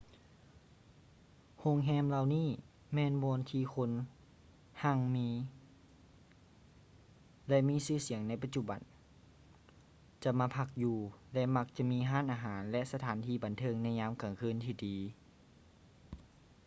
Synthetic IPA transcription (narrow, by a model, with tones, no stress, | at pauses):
ho˧˥˨ŋɦɛː˧˥˨mla˧˨wniː˧˥˨ | mɛː˧˨nbɔː˧nt̪ʰiː˧kʰo˧˥n | ha˧˨ŋmiː˧˥ | lɛ˧ʔmiː˧˥˨sɯː˧˩si˨˩˦əŋna˧˥jpa˧t̪̚t͡ɕu˧˩ba˨˦n | t͡ɕa˧maː˧˥pʰa˧k̚juː˧lɛ˧ʔma˧k̚t͡ɕa˧˨miː˧˥˨ɦaː˧˥˨nʔaː˧ɦaː˩˦nlɛ˧ʔsa˧t̪ʰaː˨˦nt̪ʰiː˧˩ba˨nt̪ʰɤː˧˨ŋna˧˥˩jɲaː˧˥˨mka˨˩ŋkʰɯː˧˥˨nt̪ʰiː˧diː˨˦